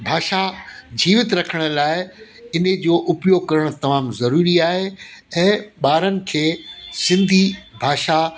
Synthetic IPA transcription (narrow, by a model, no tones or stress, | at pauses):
bʱaːʃad͡ʑiːʋɪt̪ɾɐkʰəɽ̃ʊ̆laːɪ | ɪnəd͡ʑoːʔʊpjoːɡ̚kɐɾəɽ̃ʊ̆t̪ɐmaːmzɐɾuːɾiaːɦeɛ̃ːɓaːɾənɪ̆kʰeːsɪ̃nd̪ʱibʱaːʃa